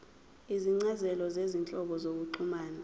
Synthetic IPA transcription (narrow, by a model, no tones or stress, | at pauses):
iziŋ͡ǀazɛlɔzezint͡ɬʼɔɓɔzok̬uǀʰumaːnɛ